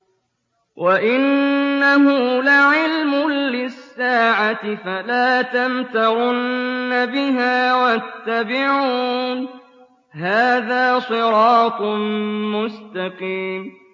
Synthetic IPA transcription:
wʔaʔɪnːaɦʊlaʕɪlmʊːɪsːaːʕat̪ɪfalaːt̪amt̪ɑɾˤʊnːabɪɦaːwat̪ːabɪʕuːn | ɦaːðaːsˤɨɾɑːt̪ˤmʊst̪ɑqiːm

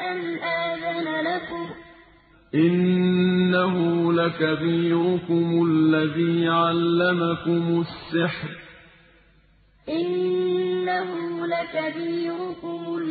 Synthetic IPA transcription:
ʔanʔaːðanalakʊm | ʔɪnː | aɦʊlakabiːɾʊkʊmʊlːaðiːʕalːamakʊmʊsːɪħɾ | ʔɪnː | ahʊlakabiːɾʊkʊmʊ

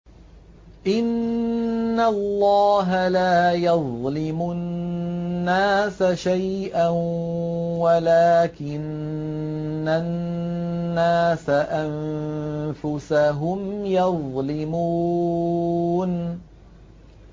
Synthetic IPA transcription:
ʔɪnː | alːɑːɦalaːjɑðˤlɪmʊ | nːaːsaʃaj | ʔa | walaːkɪn | anː | aːsaʔam | fʊsaɦʊmjɑðˤlɪmuː | n

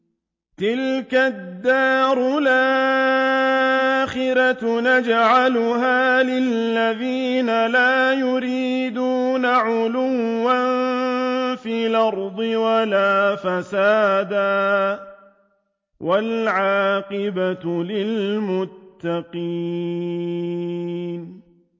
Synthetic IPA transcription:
t̪ɪlkad̪ːɑːɾʊlaː | xɪɾanad͡ʒaʕalʊhaːlɪlːaðiːnalaːjʊɾiːd̪uːnaʕʊlʊwːan | fiːlɑɾˤd̪ˤɨwalaːfasaːd̪aː | wʔalʕaːqɪbatlɪlmʊt̪ːaqiː | n

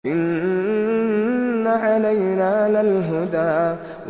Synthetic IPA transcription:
ʔɪn | aʕalajnaːlalɦʊd̪aːʔ | w

